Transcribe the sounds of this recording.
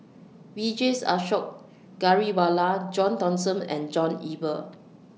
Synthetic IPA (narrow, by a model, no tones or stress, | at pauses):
wid͡ʒesa̰ʃɔk̚ | ɡ̥aɹiwalad͡ʒɔ̃ntɔ̃nsə̃mɛ̰̃nd͡ʒɔ̃nibə